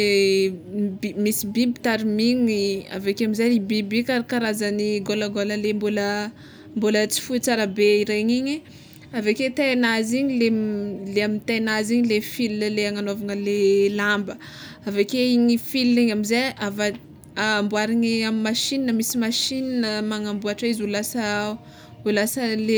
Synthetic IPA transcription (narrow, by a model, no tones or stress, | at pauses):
e | bimisibibi̥t̪aɾimiŋia̰vekeamizajlibibikaɾikaɾazaniɡolaɡoləlembolə | mbolət͡si̥fut͡saɾabeiɾeɲiɲi | aveket̪anaziɲileleamint̪anaziɲilefilinəleaŋanovaŋəlelambəavekeiɲifiliɲamizajavaː | mbuaɾiŋiamimaʃininəmisimaʃininəmaŋambuaʈ͡ʂaizulasə | ulasəle